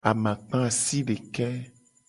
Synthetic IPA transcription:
a˨mã˨k͡pã˦a˨si˦ɖe˨kɛ˦

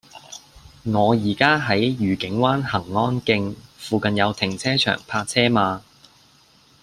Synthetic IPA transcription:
ŋɔː˨˧jiː˨˩kaː˥ɦɐ˨˥jjyː˨˩kɪ˨˥ŋwaː˥nhɐ˨˩ŋːɔː˥nkɪ˧ŋfuː˧kɐ˨˧njɐ˨˧wt̪ʰɪ˨˩ŋt͡sʰɛː˥t͡ʃʰœ̰ː˨˩ŋpʰaː˧k̚t͡sʰɛː˥maː˨˧

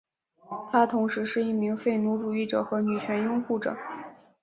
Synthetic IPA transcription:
t̪ʰa˥t̪ʰʊ˧˥ŋʂɻ̩˧˥ʂɻ̩˥˧i˥˩mi˧˥ŋfe˥˩ɪnu˧˥ʈ͡ʂu˨˩i˥˩ʈ͡ʂɤ˨˩xɤ˧˥ny˨˩t͡ɕʰɥɛ˧˥njʊ˥ŋxu˥˩ʈ͡ʂɤ̰˨˩˦

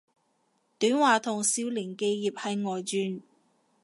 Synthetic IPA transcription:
t̪yː˨˥nwaː˨t̪ʰʊ˨˩ŋsiː˧wliː˨˩nke˧jːiː˨p̚hɐ˨jŋɔː˨jt͡ʃyː˨˧n

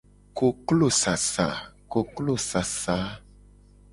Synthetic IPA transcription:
ko˨klo˦˨sa˨sa̰˨ko˨klo˦˨sa˨sa˨˦

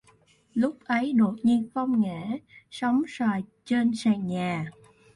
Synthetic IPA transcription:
lʊ˦˥k͡p̚ʔə˨˦jɗo˨˩t̚ɲi˧ənxə˧wŋ͡mŋɛ˧˩˥sə˨˦wŋ͡msaː˨˩jt͡ɕe˧nsaː˧˩ɲaː˨˩

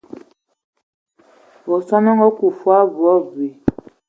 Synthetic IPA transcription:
bɔ˨sɔ˦nɔ˦ŋɡɔ˦ku˨fwa˦bu˨ɔ˦bi˨

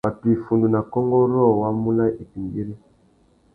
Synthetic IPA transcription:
ba˨ti˨fu˨ndu˨na˨kɔ˦ŋɡɔ˦ɾɔ˦˨wa˦mu˦la˦i˨pi˨ŋɡi˦ɾi˦

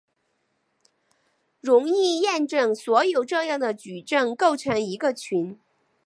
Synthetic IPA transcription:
ɻʊ˧˥ŋi˥˧jɛ˥˧nʈ͡ʂɤ˥˩ŋswɔ˧˥jo˨˩ʊʈ͡ʂɤ˥˧jɑ˥˩ŋd̪ə˩t͡ɕy˨˩ʈ͡ʂɤ˥˧ŋko˥˩ʊʈ͡ʂʰɤ˧˥ŋi˧˥ɡə˧t͡ɕʰy˧˥n

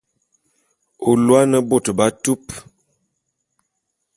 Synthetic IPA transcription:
o˨lwa˦nə˦bo˨tba˦tu˦p

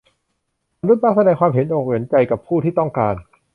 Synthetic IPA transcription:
a˧nɾu˦˥˩t̚maː˥˩sa˧dɛː˧ŋkʰwaː˧mɦe˨˦nʔoː˨˩k̚we˩˦nt͡ɕa˧jka˨˩pʰuː˥˩t̪ʰiː˥˩t̪ɔ˥˩ŋkaː˧n

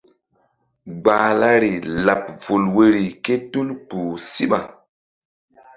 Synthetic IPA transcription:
ɡ͡baː˨la˦ɾi˨la˨p̚vu˨lwe˦ɾi˨ke˦tu˦lpu˨si˦ɓa˨

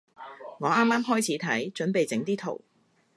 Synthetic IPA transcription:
ŋɔː˨˧ʔaː˥mːaː˥mɦɔː˥jt͡sʰiː˨˥t̪ʰɐ˨˥jt͡ʃɵ˨˥npe˨jt͡sɪ˨˥ŋt̪iː˥t̪ʰo˨˩w

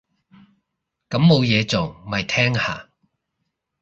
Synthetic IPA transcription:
kɐ˨˧˥mːo˨˧wjɛː˨˧t͡so˨˩mɐ˨˩jt̪ʰɛː˥ŋha̰ː˨

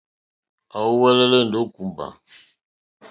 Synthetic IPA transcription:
a˨wu˦wɛ˦lɛ˦lɛ˦˨n̩˨do˨˦ku˨mba̰˨

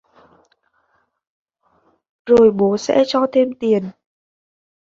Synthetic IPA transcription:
zo˨˩jɓo˨˦sɛ̰˧˥t͡ɕɔ˧t̪ʰe˧mt̪i˨˩ən

